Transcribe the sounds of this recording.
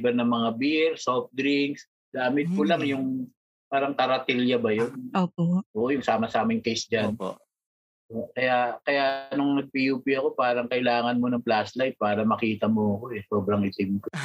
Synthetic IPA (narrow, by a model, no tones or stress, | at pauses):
bɛɾnɐŋmɐŋabiɾsofd̪ɾiŋks | ɡaːmɪt̪̚kʊlɐŋjʊŋ | paːɾɐŋkɐɾɐt̪ɛljɐbɐjonoːpoʔoːʔojʊŋsaːmɐsaːmɪŋkejsd͡ʒanpo̰ | okɐjakɐjaʔnʊŋnɐɡ̚pijuːpiɐko̞paːɾɐŋkɐʔɪlaːŋɐnmo̞nɐŋplaslajt̪̚paːɾɐmɐkiːt̪ɐmoɐko̞ʔɛso̞ːbɾɐŋʔɪt̪ɪmko